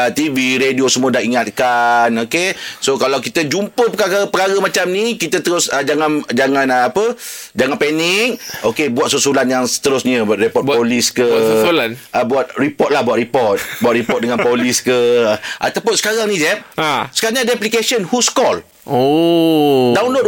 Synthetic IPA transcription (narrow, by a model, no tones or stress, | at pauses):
ət̪iviɾediosəmũadahiŋat̪̚kanokesokalawkit̪əd͡ʒumpəpəkaɣapəkaɾəmat͡ʃamnikit̪ət̪əɾʊsəd͡ʒaŋand͡ʒaŋãnəapəd͡ʒaŋanpɛnɪk̚okebuat̪susulanjaŋsə̥t̪əɾʊsɲəbat̪̚ɾipɔt̚poliskəulnʔəbuat̪̚ripɔt̪̚lahbuat̪̚ripɔt̪̚buat̪̚ɾipɔt̚dəŋanpoliskəʔa̰t̪awpʊnsə̥kaɾaŋnĩd͡ʒɛp̚sə̥kaɲadaplikesənhuskɔl | o | dawnlot̚